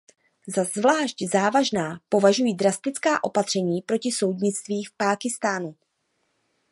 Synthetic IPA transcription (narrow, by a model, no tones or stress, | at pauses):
zazvlaːʃczaːvaʒnaːpo̞vaʒujiːdɾast̪ɪt͡skaːʔo̞̰pat̪r̝̥ɛɲiːpɾo̞cɪso̞wd̪ɲɪt͡st̪viːfpaːkɪst̪aːnu